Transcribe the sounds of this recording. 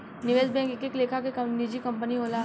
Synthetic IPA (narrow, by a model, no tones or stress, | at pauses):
nɪʋeːsbɛ̃ːŋkɪkekleːkʰakekɐnid͡ʒikɐ̃mpəniɦoːla